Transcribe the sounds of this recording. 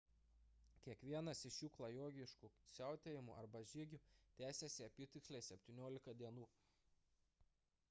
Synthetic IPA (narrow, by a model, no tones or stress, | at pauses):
kʲiɛkʋʲiɛnɐsɪʃjuːklˠɐjoːɡʲɪʃkuːsʲæˑʊt̪ʲeːjɪmṵʔɐɾbɐʒʲiɡʲut̪ʲæːsʲɛsʲɪɐpʲiːt̪ʲɪkslʲeːsʲɛpʲt̪ʲiːnʲoːlʲɪkɐd̪ʲiɛnuː